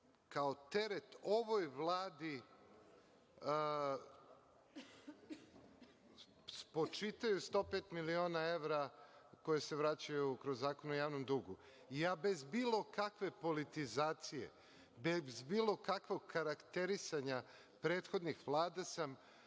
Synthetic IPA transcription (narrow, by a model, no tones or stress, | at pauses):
kaot̪eɾet̪o̞ʋojʋlˠaːd̪i | spo̞t͡ʃit̪ajust̪o̞peːt̪milio̞ːnae̞ʋɾako̞jese̞ʋɾat͡ɕajukɾozːaːkonojaːʋnomd̪uɡu | ijaːbe̞zbiːlˠo̞kakʋe̞po̞lit̪izaːt̪sijḛ | bezbiːlˠo̞kakʋoɡkaɾakt̪e̞ɾisaɲa | pɾeːt̪xo̞d̪nixʋlˠaːd̪asam